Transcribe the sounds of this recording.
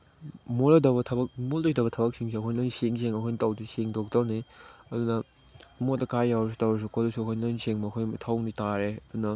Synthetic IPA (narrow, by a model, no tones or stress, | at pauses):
molɐdɐbɐtʰɐbɐk̚moldojdɐbɐtʰɐbɐk̚siŋs̬iɐkʰojnojniseŋseŋɐkʰojnitawdiseŋdok̚dɐwniɐdunɐ | motɐkajːawɾɐs̬u̥tawɾɐs̬ukodɐsuɐkʰojnnojniseŋmɐːkʰojtʰawnitaɾeɐdunɐ